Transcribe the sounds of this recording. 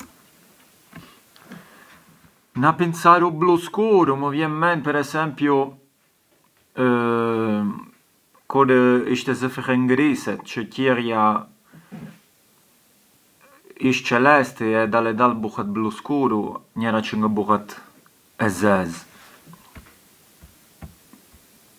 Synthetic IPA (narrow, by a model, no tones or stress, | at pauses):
napinsaɾubluskuɾuməvjɛnmɛnpɛɾɛsɛmpju | kudiʃt̪ɛzəfixɛŋɡɾisɛt̪t͡ʃəcɛrja | iʃt͡ʃɛlɛst̪iɛd̪alɛd̪albuxat̪̚bluskuɾuɲɛɾat͡ʃəŋɡəbuxat̪ | ɛzɛz